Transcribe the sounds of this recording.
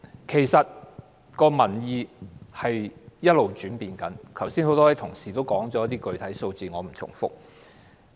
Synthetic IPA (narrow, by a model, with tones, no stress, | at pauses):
kʰe˨˩jsɐ˨t̚ | kɔː˧mɐ˨˩njiː˨˧hɐ˨jjɐ˥t̚lo˨wt͡ʃyː˨˥npiː˨nkɐ˨˥nkʰɐ˨˩wsiː˥nho˨˥wt̪ɔː˥ɐ˨˥t̪ʰʊ˨˩ŋsiː˨˩t̪o˥wkɔː˨˥ŋt͡sɔː˨˥ɐ˥t̪̬iː˥kɵ˨˧ɥt̪ʰɐ˨˥jso˧wt͡siː˨˩ŋɔː˨˧m̩˨˩t͡sʰʊ̰˨˩ŋfʊ̰˥k̚